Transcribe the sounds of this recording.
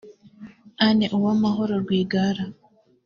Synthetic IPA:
aneʔuwamaɦo̞ɾoɾɡwiːɡaɾa

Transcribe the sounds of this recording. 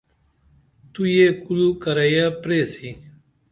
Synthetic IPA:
t̪ujeːkulukɐɾɐjapɾeːsiː

